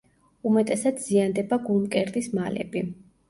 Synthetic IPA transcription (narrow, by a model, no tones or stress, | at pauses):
umɛt̪ʼɛsad̪z̥iand̪ɛbaɡulˠmkʼɛɾd̪ismalɛ̰bi